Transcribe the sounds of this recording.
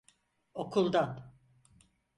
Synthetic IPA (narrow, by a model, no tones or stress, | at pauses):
o̞kʰulˠd̪an